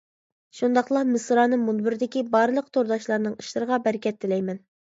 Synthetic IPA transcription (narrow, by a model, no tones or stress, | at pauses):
ʃund̪ɑqlˠɑmɨsɾɑːnɨmunbɪɾɪd̪ɪkʲibɑɾlˠəq̚t̪ʰoɾd̪ɑʃlˠɑɾnɨŋiʃlˠɨɾəʁɑbɛɾɪkʲʰɛt̪ːɪlɛjmɛn